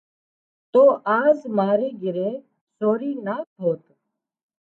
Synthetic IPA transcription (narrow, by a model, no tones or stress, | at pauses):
t̪oːʔaːzmaːɾeːɡɪɾeː | soːɾiːnaːt̪ʰoːt̪